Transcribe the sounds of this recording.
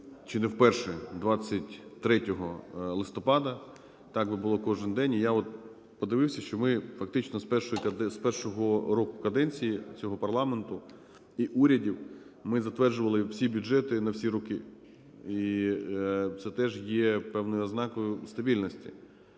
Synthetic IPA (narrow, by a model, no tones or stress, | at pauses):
t͡ʃɪnɛwpɛrʃɛd̪ʋɑt͡sʲːɐtʲt̪ɾɛtʲɔɦɔlˠɪst̪ɔpɑd̪ɐ | t̪ɑɡbɪbʊlˠɔkɔʒɪnd̪ɛnʲijaɔt̪̚ | pɔd̪ɪʋɪwsʲɐʃt͡ʃɔmɪfɐk̚t̪ɪt͡ʃnɔspɛrʃɔjik̪spɛrʃɔɦɔɾɔkʊkɐd̪ɛnʲt͡sʲijit͡sʲɔɦɔpɐrlˠɑment̪ʊ | iʔuɾʲɐdʲiw | mɪzɐt̪ʋɛrʒʊʋɐlˠɪwsʲibʲʊd͡ʒɛt̪ɪnɐwsʲiɾɔkɪ | i | t̪sɛt̪ɛʒjɛpɛwnɔjʊɐznɑkɔjʊst̪ɐbʲilʲnɔsʲtʲi̥̰